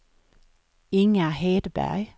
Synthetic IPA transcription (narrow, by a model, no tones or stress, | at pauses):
ɪŋəheːd̪̥bæ̰j